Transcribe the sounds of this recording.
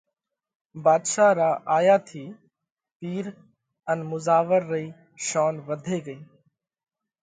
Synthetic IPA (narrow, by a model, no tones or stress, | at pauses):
baːd̪ʃaːɾaːʔaːjaːt̪ʰiː | piːɾ | ənmʊzaːʋəɾːəiː | ʃaːnʋəd̪ʱeːɡəiː